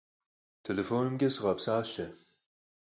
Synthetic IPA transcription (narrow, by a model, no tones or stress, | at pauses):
tʰelefoːnɨmɡʲɐsɨʁɐpsaːɬɐ